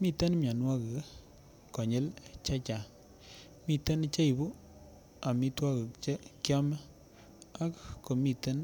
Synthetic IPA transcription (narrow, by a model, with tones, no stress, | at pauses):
mi˦tə˦nmja˨nwa˦k | kɔ˨ɲe˦lt͡ʃa˦t͡ʃa˨ | mi˨tə˦nt͡ʃa˦i˨bu˦ | a˨mi˦twa˦kt͡ʃkjɔ˦m˦ | a˦kkːo˨mi˨tə˦n